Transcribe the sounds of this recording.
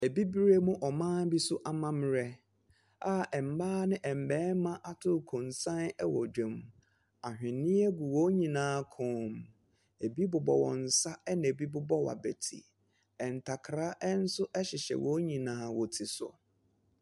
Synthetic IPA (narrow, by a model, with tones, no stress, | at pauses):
e˨bi˦bɾe˦mʊ̃˦ʔɔ˨mãː˦bi˦sʊ˦ʔa˦mã˦m˦ɾɛ˦ | a˦ʔɛ˨m̩˨baː˦nɪ̃˦ʔɛ˨m̩˨bɛː˦mã˦ʔa˨tʰʊ˦˨kʰʊ̃˨nsã˦nɛ˦wɔ˨d͡ʑᶣɛ̃˨m | a˨hᶣɪ̃˨nːɪ̃˦ɛ˦ɡʊ˨wɔ˦ɲĩ˨nãː˨˦kʰʊ̃˨˦m | e˨bi˦bʊ˨bɔ˨wɔ̰̃˨n̩˨sa˦ɛ˦nɛ̃˨bi˦bʊ˦bɔ˦wa̰˨bḛ˨tʰḭ˨ | ɛ˨n̩˨tʰa˨kʰɾa˦ʔɛ˦n̩˦sʊ˦ʔɛ˦ɕɪ˨ɕɛ̰˨wɔ˨˦ɲĩ˨nãː˨˦wɔ˨tʰi˨sʊ̰˨